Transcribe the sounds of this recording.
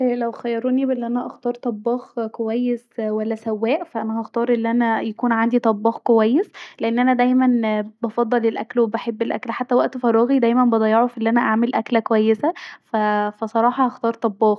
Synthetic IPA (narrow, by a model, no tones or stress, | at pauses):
ʔlæwxæjːɑɾˤonibʔelːiʔænæʔɑxt̪ɑːɾˤt̪ˤɑbːɑːxkowæjːeswælːæsæwːæːʔfæʔænæhɑxt̪ˤɑːɾˤʔelːiʔænæjækuːnʕand̪it̪ˤɑbːɑːxkowæjːesleʔenːʔænæd̪æjmænbɑfɑd̪ˤːɑlelʔæ̰klwebæħebːelʔæ̰klħat̪ːæwæʔt̪fɑɾˤɑːɣid̪æjmænbɑd̪ˤɑjːɑʕofiʔelːʔænæʔaʕmelʔæklækowæjːesæfæfæsˤɑɾˤɑːħɑhɑxt̪ɑːɾˤt̪ˤɑbːɑːɣ